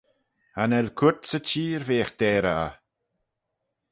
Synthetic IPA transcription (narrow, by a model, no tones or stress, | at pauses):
hanɛlkʰut̪sət͡ʃiːɾveːxd̪̥ɛːɾaa̰